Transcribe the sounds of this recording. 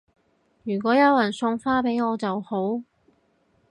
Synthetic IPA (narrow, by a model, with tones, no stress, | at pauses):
jyː˨˩k̬ʷɔː˨˥jɐ˨˧wjɐ˨˩nsʊ˧ŋfaː˥pe˨˥jŋɔː˨˧t͡sɐ˨who˨˥w